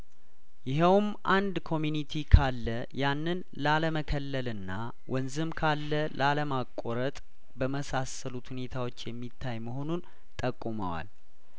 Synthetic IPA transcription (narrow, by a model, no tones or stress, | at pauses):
jɪɦəwm | ʔand̪kʰo̞mjunit̪ʰikʰalːə | janːɨn | laləməkʰəlːəlɨnːa | wɔnzɨmkʰalːəlʔaləmakʼːoɾət̪ʼ | bəməsasəlut̪hune̞t̪ʰawo̞t͡ʃːjɛmːit̪ʰːajməɦo̞nun | t̪ʼəkʼːumə̰wa̰l